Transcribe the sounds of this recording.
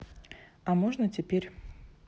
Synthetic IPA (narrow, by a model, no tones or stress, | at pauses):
ɐmoʐnətʲɪpʲeɾʲ